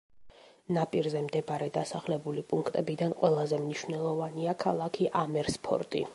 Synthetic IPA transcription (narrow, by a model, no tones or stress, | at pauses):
napʼiɾzɛmd̪ɛbaɾɛd̪asaχlɛbulipʼuŋkʰt̪ʼɛbid̪anqʼwɛlˠazɛmniʃwnɛlˠɔvaniakʰalˠakʰiʔamɛɾspʰɔ̰ɾt̪ʼḭ